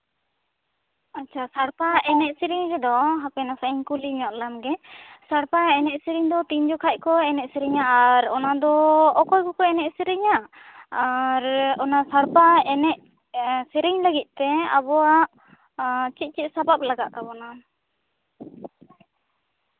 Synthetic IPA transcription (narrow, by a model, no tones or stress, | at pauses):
atːt͡ʃʰasaɽpaʔɛnɛʔ̚siɾiŋɾɛd̪ɔɦapɛnasaiŋkuliɲɔʔlamɡɛsaɽpaɛnɛʔ̚siɾiŋd̪ɔt̪iɲd͡ʒɔkʰac̚kɔɛnɛʔ̚siɾiɲaːɾɔnad̪ɔɔkɔjkɔkɔɛnɛʔ̚siɾiɲaː | ɾɔnasaɽpaɛnɛʔ̚ | siɾiɲləɡit̪̚ˀt̪ɛa̰bɔwaʔ | t͡ʃit̪̚t͡ʃit̪̚sabap̚laɡaʔkabɔna